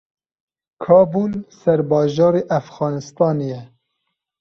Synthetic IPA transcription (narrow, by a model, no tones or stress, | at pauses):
kʰɑːbuːlsɛɾbɑːʒɑːɾeːʔæfɣɑːnɨst̪ɑːnejɛ